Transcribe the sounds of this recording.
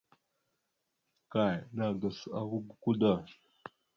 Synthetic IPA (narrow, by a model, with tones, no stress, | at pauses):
ka˨jna˨ɡa˨sa̰˦ɣu˦ɡu˦ku˦da˦˨